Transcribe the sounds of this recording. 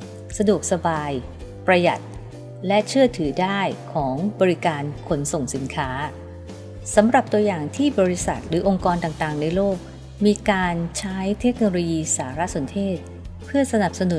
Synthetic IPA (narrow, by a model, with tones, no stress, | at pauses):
sa˧du˨˩ək̚sa˧baː˧j | pɾa˧ja̰˨˩t̪̚ | lɛ˦˥t͡ɕʰɯ˥˩ət̪ʰɯː˩˦daː˥˩jkʰɔː˩˦ŋbɔː˧ɾi˦˥kaː˧nkʰo˩˧nso˨˩ŋsi˩˦nkʰaː˦˥ | sa˩˦mɾa˨˩p̚t̪u˧ɐjaː˨˩ŋt̪ʰiː˥˩bɔː˧ɾi˦˥sa̰˨˩t̪̚ɾɯː˩˦ʔo˧ŋkɔː˧nt̪aː˨˩ŋt̪aː˨˩ŋna˧jloː˥˩k̚ | miː˧kaː˧nt͡ɕʰa˦˥jt̪ʰe˦˥k̚noː˧loː˧jiː˧saː˩˦ɾa˦˥ʔso˩˦nt̪ʰeː˥˩t̪̚ | pʰɯ˥˩ɐsa˧na˨˩p̚sa˧nu˨˩˦